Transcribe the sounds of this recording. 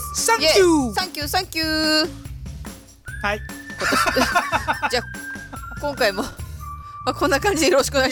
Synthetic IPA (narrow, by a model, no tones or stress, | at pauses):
sãŋjesãŋkʲɨːsãŋkʲɨː | haikot̪ːo | d͡ʑaː | kõŋkaimo̞ | makʰõ̞nːakãɲ̟d͡ʑid̪ejoɾo̞ɕi̥kɯna